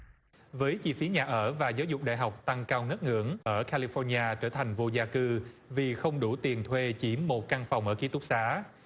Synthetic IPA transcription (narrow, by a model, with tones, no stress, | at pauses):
vəː˨˦jt͡ɕi˧fi˨˦ɲaː˨˩ʔəː˧˩vaː˨˩zaː˨˦wzʊ˨˩k͡p̚ɗa̰ː˧˨jɦa˨˩wk͡p̚t̪a˧ŋkaː˧wŋə˦˥t̚ŋɨ̰˧˥əŋʔəː˧˩kaː˧li˧fɔ˧nɲaː˧t͡ɕəː˧˩t̪ʰa˨˩jŋ̟vo˧zaː˧kɨ˧vi˨˩xə˧wŋ͡mɗu˧˩t̪i˨˩ənt̪ʰwe˧t͡ɕi˨˦mːo˨˩t̚ka˧ŋfa˨˩wŋ͡mʔəː˧˩ki˨˦t̪ʊ˦˥k̚saː˨˦